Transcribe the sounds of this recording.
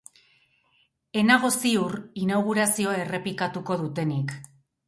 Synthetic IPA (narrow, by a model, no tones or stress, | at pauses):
e̞naɣo̞siurinawɣuɾasio̞e̞re̞pikat̪uko̞ðut̪e̞nik